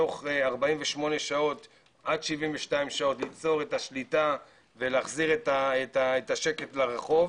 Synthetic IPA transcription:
o̞χeaʁbaiɱveʃmo̞ne̞ʃao̞t | ʔad̪ʃivimveʃtaimʃao̞tlit͡so̞ʁe̞taʃlita | veleːχziʁetaetaetaʃe̞ke̞tlaʁeχo̞v

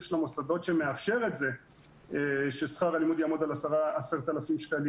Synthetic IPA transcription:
ʃlamosado̞tʃemeafʃe̞ʁetze̞ | eʃesχaʁalimud̪jamud̪alasaʁaaseʁt̪alafimʃkali

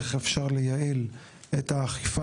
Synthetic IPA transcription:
χefʃaʁlejaʔil | ethaːχifa

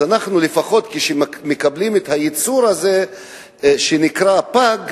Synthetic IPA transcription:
anaχnulefaχo̞t̪kiʃemekablimet̪hajit͡suɾaze | ʃenikʁapaɡ

